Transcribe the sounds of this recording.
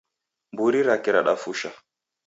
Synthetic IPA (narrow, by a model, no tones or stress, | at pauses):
mbuɾiɾakɛɾaɗafuʃa